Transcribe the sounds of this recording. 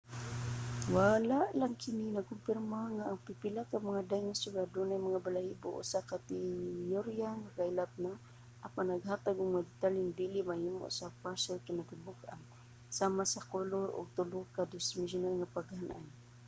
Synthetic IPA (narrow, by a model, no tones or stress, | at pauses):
walaʔlaŋkɪninaɡ̚kʊmpɪrmaŋaʔːŋpipilakːamaŋadajŋasʊɡadʊnajmaŋabalaibʊ̰ʔʊ̰sakat̪ijoɾjaŋakailap̚na | ʔapanːaɡɦaːt̪aɡʊŋmad̪ɪt̪aliŋd̪ilimahimʊ̰ʔsapaɾsolkɪnat̪ɪbʊkʔa̰n | samasakoloɾʊ̰ɡ̚t̪ʊlʊkadɪsmɪs̬ʊnalŋapaɡhanʔa̰n